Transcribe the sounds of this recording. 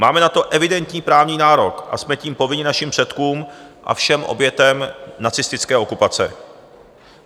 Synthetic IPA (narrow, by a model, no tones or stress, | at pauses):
maːmɛnat̪o̞ʔɛvɪdɛnt̪ɲiːpɾaːvɲiːnaːɾo̞kʔa̰smɛciːmpo̞vɪɲɪnaʃimpr̥ɛt̪kuːmʔa̰fʃɛmʔo̰bjɛt̪ɛmnat͡sɪst̪ɪt͡skɛːʔo̞kupat͡sɛ̰